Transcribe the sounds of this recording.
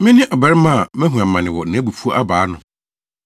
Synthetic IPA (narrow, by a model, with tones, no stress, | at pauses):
mɪ̃˦nɪ̃˦ʔɔ˨bɛ˨ɾɪ˦mã˦˨mɛ̃˦ɦũ˨ã˨mːã˨nɪ̃˨wɔ˨nã˨˦bu˨fu˦o˦ʔa˦baː˨˦nʊ̃˨